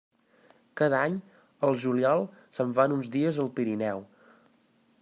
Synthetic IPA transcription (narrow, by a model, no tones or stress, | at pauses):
kaðaɲ | əlˠʒuliɔlˠsəɱfanunzðiəzəlˠpiɾinɛw